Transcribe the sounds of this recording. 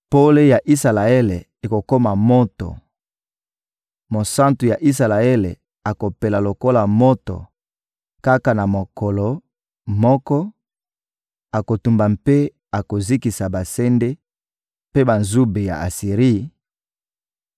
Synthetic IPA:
po˦le˦ja˨ʔi˦sa˨la˨e˦le˨ | e˨ko˨ko˦ma˨mo˦tɔ̰˨ | mo˨sa˦ntu˨ja˨ʔi˦sa˨la˨e˦le˨ | a˨ko˨pe˨la˨lo˨ko˦la˨mo˦tɔ̰˨ | ka˦ka˨na˨mo˨kɔ˨lo˨ | mɔ˦kɔ˦ | a˨ko˨tu˨mba˨mpe˦ | a˨ko˨zi˦ki˨sa˨ba˨se˦nde˦ | pe˦ba˨nzu˦be˨ja̰˨ʔa̰˨si˨ʁi˦

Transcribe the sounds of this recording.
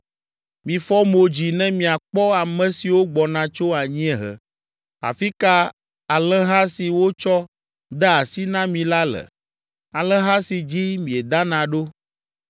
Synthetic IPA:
mĩ˨fɔ˦mo˨d͡ʑi˨nɛ̃˦mĩ˨a˨k͡pɔ˦a˨mɛ̃˨si˨wo˦ɡ͡bɔ˨nã˦t͡ʃo˦a˨ɲĩ˦ɛ˦ɦɛ̰˨ | a̰˨fi˦ka˦ | a˨lɛ˦ɦa˦si˨wo˦t͡ʃɔ˦ | d̪ɛ˦a˨si˦nã˦mĩ˨la˦lɛ̰˨ | a˨lɛ˦ɦa˦si˨d͡ʑi˦mĩ˨ɛ˨d̪a˦nã˨ɖo˦

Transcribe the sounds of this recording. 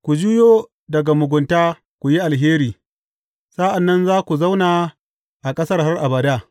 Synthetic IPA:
kʷu˨d͡ʒu˦joː˦ | dɐ˨ɡa˨mʊ˨ɡʷʊ˨ntaː˦ | kʷu˨ji˦ʔa˨lɦeː˦ɾiː˨ | sa˦ʔa˨nːɐ˦nzaː˦kʷu˨za˦wnaː˨ | ʔa˨kʼɐ˦sɐ˦rha˦rʔa˨bɐ˨daː˦˨

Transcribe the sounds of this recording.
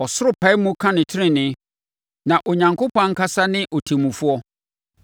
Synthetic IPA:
ɔ˨sʊ˦ɾʊ˦pʰa˨˦ɪ˦mũ˦kʰã˦nɪ̃˨tʰɪ˦ɾɪ̃˨nɪ̃˨˦ | nã˨ʔo˨ɲã˨ŋkʰo˦pʰɔ̃˦ŋ̩˦kʰa˦sa˦nɪ̃˦ʔɔ˨tʰi˨mũ˨fʊ˦ɔ˦

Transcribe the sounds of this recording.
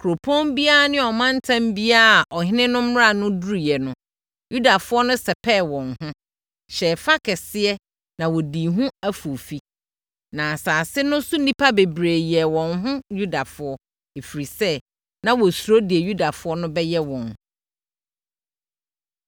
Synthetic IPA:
kʰɾo˨pʰõ˦nbi˦a˦a˨nɪ̃˦ɔ˨mã˦n˦tʰã˦mbi˦a˦a˨ʔɔ˨hɪ̃˦nɪ̃˦nʊ̃˦m˦ɾa˦˨nʊ̃˦du˦ɾi˨jɛ˨nʊ̃˦ | ju˦da˨fʊ˦ɔ˦nʊ̃˦sɛ˨pʰɛ˦˨wɔ̃˨nhʊ̃˦ | ɕɛː˨fa˦kʰɛ˨sɪ˦ɛ˦ | nã˨wɔ˨di˨ɦũ˦æ˦fo˨fi˦ | nã˨saː˨sɪ˦nʊ̃˦su˦n˦nĩ˦pʰa˦be˨bɾeː˨jɛ˨wɔ̃˨nɦʊ̃˦ju˦da˨fʊ˨˦ɔ˦ | e˨fi˨ɾi˨sɛ˦ | nã˦wɔ˨su˨ɾo˦di˨e˨ju˦da˨fʊ˦ɔ˦nʊ̃˦bɛ˦jɛ˦wɔ̃˨n

